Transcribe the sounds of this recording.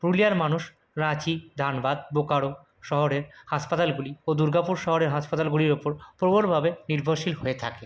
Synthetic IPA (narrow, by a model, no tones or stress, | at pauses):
pɾulijaɾmanuʃ | ɾat͡ɕid̪ʱanbad̪̚bokaɽo | ʃɔɦoɾeɾhaʃpat̪alɡuliod̪uɾɡapuɾʃɔɦoɾeɾɦaʃpat̪alɡuliɾopoɾpɾoboɽbʱabeniɾbʱoɾʃilɦoet̪ʰake